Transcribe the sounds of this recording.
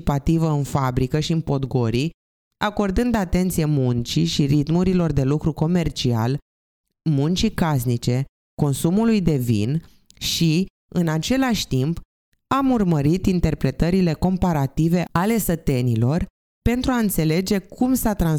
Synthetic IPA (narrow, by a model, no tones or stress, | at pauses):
ipat̪ivəɨnfabɾikəʃiɨnpo̞d̪ɡo̞ɾi | ako̞rd̪ɨnd̪at̪e̞nt̪sijemunt͡ʃiʃiɾit̪muɾilo̞rd̪e̞lukɾuko̞me̞rt͡ʃia̰l | munt͡ʃikas̬nit͡ʃe̞ | ko̞nsumulujd̪e̞vḭn | ʃi | ɨnat͡ʃe̞laʃʲt̪imp | amurməɾit̪int̪e̞rpɾe̞t̪əɾile̞ko̞mpaɾat̪ive̞ale̞sət̪e̞nilo̞r | pe̞nt̪ɾuaɨnt̪se̞le̞d͡ʒe̞kʰumsat̪ɾan